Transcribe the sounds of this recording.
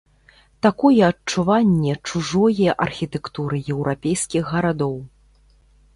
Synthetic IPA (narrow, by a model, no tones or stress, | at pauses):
t̪akɔjɛɐt͡ʂːuvanʲːɛt͡ʂuʐɔjɛʔɐrxʲit̪ɛkt̪uɾɨjɛwɾʔapʲejskʲiɣːɐɾad̪ɔw